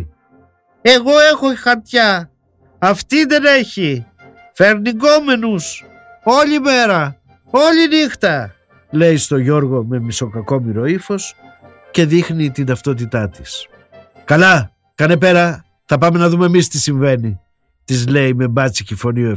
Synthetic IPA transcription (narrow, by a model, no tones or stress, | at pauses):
e̞ɣo̞e̞xoxɐɾt̪çɐ | ɐft̪iðe̞ne̞çi | fe̞ɾniɡo̞me̞nus | o̞ʎime̞ɾɐ | o̞ʎinixt̪ɐ | le̞jst̪o̞ʝo̞ɾɣo̞me̞miso̞kɐko̞miɾo̞ifo̞s | ce̞ðixnit̪ind̪ɐft̪o̞t̪̬it̪ɐt̪i̥s | kɐlɐ | kɐne̞p̬e̞ɾɐ | θɐpɐme̞nɐðumeːmist̪isiɱve̞ni | t̪izle̞jme̞bɐt͡sicifo̞nio